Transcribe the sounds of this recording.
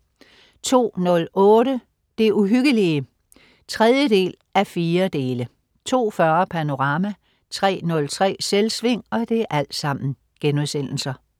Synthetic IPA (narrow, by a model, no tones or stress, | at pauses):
t͡sʰo̝̰ːnɔ̽lɔ̽ːɾə | d̥e̝uɦyɡ̥əliə | t͡sʰʁɛð̞ˠjəd̥e̝̰ːl | æfiːɐd̥e̝ːlə | t͡sʰo̝̰ːfɶɐpʰæno̝ʁɑ̈mæ | t͡sʰʁɛ̰ːnɔ̽lt͡sʰʁɛ̰ːselsʋe̝ŋ̰ɒ̽d̥e̝æʔæl̰d̥sɑ̈m̰n̩ | ɡ̥enuðˠsen̰l̩sɐ